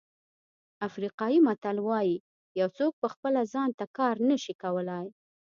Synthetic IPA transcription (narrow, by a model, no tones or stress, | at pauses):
afɾiqɑjimat̪alwɑji | jawt͡sok̚pəxpəlazɑnt̪akɑɾnəʃikawəlaj